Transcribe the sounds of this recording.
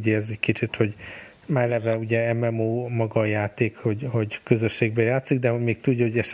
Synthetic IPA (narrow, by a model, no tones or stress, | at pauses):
ɟeːrzicʲkit͡ʃit̪ho̞ɟ | mɛlɛvɛuɟɛɛmɛmoːmɒɡɒjaːt̪eːkho̞ɟho̞ɟkøzøʃːeːɡ̚bɛjaːt̪siɡd̪ɛɦoɟmeːk̚t̪uɟːɒɦoɟɛʃ